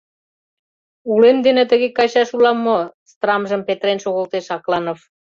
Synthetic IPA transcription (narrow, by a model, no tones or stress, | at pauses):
ulemd̪enĕt̪əɣekɑɕɑʃulɑmːost̪rɑmʒə̆mpet̪ɾenʃoɣolt̪eʃɑklɑnof